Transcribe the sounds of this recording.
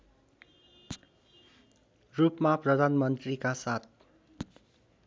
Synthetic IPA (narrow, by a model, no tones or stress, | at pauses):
rupmaprʌd̪ʱanmʌnt̪rikasat̪̚ʰ